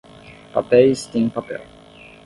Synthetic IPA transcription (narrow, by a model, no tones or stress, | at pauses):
papɛist̪ĩŋpapɛ̰l